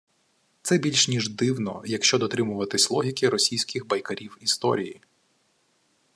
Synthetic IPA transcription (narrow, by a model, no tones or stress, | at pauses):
t̪sɛbʲilʲʃnʲiʒd̪ɪwnɔ̰jɐkʃt͡ʃɔd̪ɔt̪ɾɪmʊʋɐt̪ɪsʲlˠɔɦʲikɪɾɔsʲijsʲkʲɪxbɐjkɐɾʲiwist̪ɔ̰ɾʲḭji